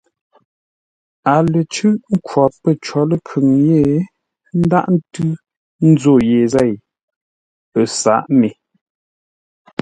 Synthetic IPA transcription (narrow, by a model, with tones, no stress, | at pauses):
a˨lə˨t͡ʃʉ˦ʔŋ̩˦kwɔ˨pːə˦˨t͡ʃɔ˨˦lə˦kʰʉ˨ŋje˦˨ | n̩˦da̰˦ʔn̩˦tʉ˦ | n̩˦zo˦˨je˨zɛ˦˨j | pə˨sa̰˨˦ʔme˨